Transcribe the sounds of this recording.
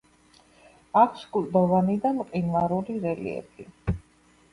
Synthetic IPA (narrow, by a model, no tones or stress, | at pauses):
akʰskʼuld̪ɔvanid̪anqʼinvaɾuɾiɾɛlḭɛ̰pʰi